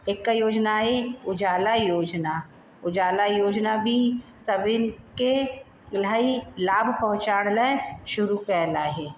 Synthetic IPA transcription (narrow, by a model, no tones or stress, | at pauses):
eːkːajoːd͡ʒnaɦeʊd͡ʒaːlajoːd͡ʒna | ʊd͡ʒaːlajoːd͡ʒnabʱisəbɪnke | lailaːbʱpɐɦʊ̃t͡ʃaːɽ̃leʃʊɾukɛːlaːɦeː